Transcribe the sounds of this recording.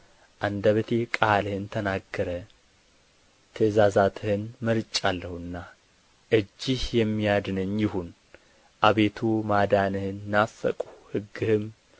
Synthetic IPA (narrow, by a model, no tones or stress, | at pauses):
ʔand̪aβət̪ʰekʼalhɨnt̪ʰənaɡːəɾə | t̪ʰɨzazat̪ʰɨhɨnməɾt͡ʃʼalːəhuɨnːa | ʔɨd͡ʒːɪhjɛmːijad̪nɨɲjɪhun | ʔaβe̞t̪ʰumad̪anɨhɨnːafːə̰kʼuhɨɡːɨhɨm